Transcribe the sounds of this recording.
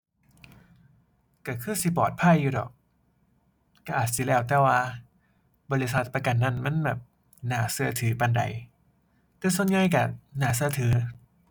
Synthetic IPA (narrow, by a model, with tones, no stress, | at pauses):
ka˧˩kʰɯː˧˥˩si˧˦pɔː˨˩t̪̚pʰaː˧˥˨juː˧˩dɔ̰ː˨˩k̚ | ka˧˩ʔaː˨˩t̪̚si˧˦lɛː˧˩wt̪ɛː˧˩waː˧ | bɔː˧li˧sa˧˦t̪̚pa˧ka˧˨nːa˧˩˨nma˧˥˨nbɛː˨˩p̚ | naː˩˦sɯ˧ɐ˧t̪ʰɯː˩˦pa˧nda̰˨˦j | t̪ɛː˧˩su˧ə˦nŋaː˧˥˨jka˧˩naː˩˦s̬ɯ˧ɐ˧t̪ʰɯː˨˦